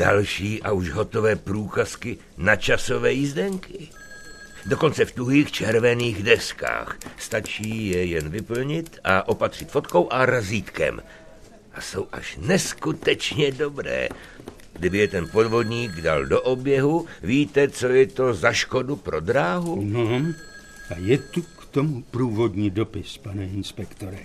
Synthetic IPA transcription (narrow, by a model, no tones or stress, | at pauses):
d̥a̰lʃiːʔauʒɦo̞t̪ovɛːpɾuːkaskɪ | nat͡ʃaso̞vɛːjizdɛŋkɪ | do̞ko̞nt͡sɛft̪uɦiːxt͡ʃɛɾvɛniːɣdɛska̰ːxst̪at͡ʃiːjɛjɛnvɪpl̩ɲɪt̪aʔo̞pat̪r̝̥ɪt̪fo̞t̪ko̞wʔaɾaziːt̪kɛ̰m | ʔaso̞wʔa̰ʃnɛskut̪ɛt͡ʃɲɛdo̞bɾɛ̰ː | ɡdɪbɪjɛt̪ɛnpo̞dvo̞dɲiːɡdaldoʔobjɛɦuviːt̪ɛt͡so̞jɛt̪o̞zaʃko̞dupɾo̞dɾaːɦuno | ajɛt̪ukt̪omupɾuːvod̪ɲiːdopɪspanɛɪnspɛkt̪oɾɛ